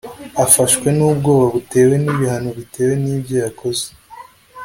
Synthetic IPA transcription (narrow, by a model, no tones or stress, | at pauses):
afaʃkwe̞nuːb̚ɡo̞ːβaβute̞ːwe̞niβihanoβite̞we̞niːbɟo̞jako̞ze̥